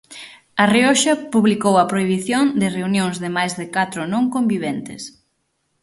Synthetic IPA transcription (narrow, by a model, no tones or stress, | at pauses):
ɐrioʃɐpuβlikowɐpɾoiβ̞iθjoŋd̪ɪreunjõŋzðɪmajzðɪkat̪ɾʊnõŋkõmbiβɛnt̪ɪ̰s